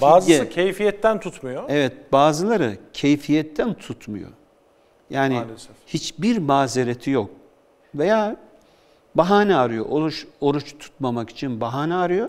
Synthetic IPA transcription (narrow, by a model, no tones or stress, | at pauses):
baːzɯɯcʰejfijɛt̪ːænt̪ʰut̪mujoɛvɛt̪̚baːzɯlˠaɾɯcʰejfijɛt̪ʰːænt̪ʰut̪mṵjo̰ | jaːniɛhit͡ʃbiɾmaːzeɾet̪ʰijok̚ | ve̞jaː | baɦaːnɛaɾɯjo̞̰ʔoɾut͡ʃo̞ɾut͡ʃt̪ʰu̥t̪mamaki̥t͡ʃʰinbaɦaːnɛaɾɯjo̞